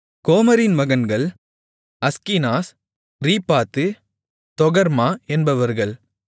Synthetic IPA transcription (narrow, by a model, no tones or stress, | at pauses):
koːmɐɾɪnmɐɣɐnɡɐɭ | ɐskinaːs | ɾiːpːaːt̪ːɯ | t̪ɔɣɐɾmaːɛnbɐʋɐɾɣɐɭ